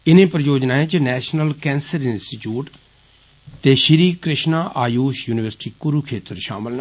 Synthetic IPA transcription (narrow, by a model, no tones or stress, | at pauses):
ɪnẽːpɾəjoːd͡ʒnãːẽːt͡ʃənɛːʃnəlkɛ̃ːnsəɾɪnsʈiːʈjuːʈ | t̪eːʃɪɾiːkɾɪʃnaːʔaːjuːʃjuːnɪʋəɾsʈiːkʊɾuːkʰeːt̪əɾʃa̰ːməln